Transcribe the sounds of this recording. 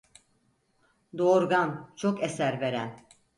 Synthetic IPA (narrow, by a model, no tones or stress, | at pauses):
d̪oɾɡant͡ʃʰokesæɾve̞ɾæn